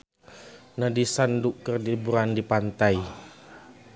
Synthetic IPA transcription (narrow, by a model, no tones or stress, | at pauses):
nadisanduʔkərdibuɾandipant̪aj